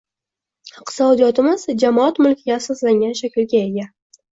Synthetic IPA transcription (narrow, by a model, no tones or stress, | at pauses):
qʰɨ̥sɒd̪ijɒt̪ɪmɪz̥d͡ʒamɒat̪mʊlˠkʲʰɪɡʲaːsɒslaŋɡʲanʃakʲɪlɡʲae̞ɡʲa